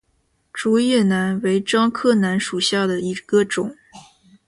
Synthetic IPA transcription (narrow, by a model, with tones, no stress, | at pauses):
ʈ͡ʂu˧˥jɛ˥˩na˧˥nwe˧˥ɪʈ͡ʂɑ˥ŋkʰɤ˥˩na˧˥nʂu˨˩ɕja˥˩d̪ə˩i˧˥ɡ̥ə˧ʈ͡ʂʊ˨˩˦ŋ